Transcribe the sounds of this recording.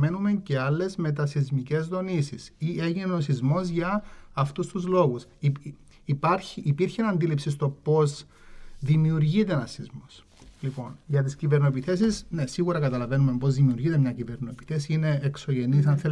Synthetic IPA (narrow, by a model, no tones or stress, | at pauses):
me̞nume̞nce̞ɐlːe̞zme̞t̪ɐsizmice̞zðo̞nisisiʔe̞ʝineeosizmo̞zʝɐːft̪ust̪uzlo̞ɣusː | pɐɾçiʔːpiɾçenɐnd̪ilipsis̬t̪o̞po̞z | ðimiuɾʝit̪enɐsizmo̞s | lipo̞nʝɐt̪iscive̞ɾnoepiθe̞sisne̞siɣuɾɐkɐt̪ɐlɐve̞nume̞mbo̞zðimiuɾʝit̪emɲɐcive̞ɾno̞epiθesine̞ːkso̞ʝenisɐnθe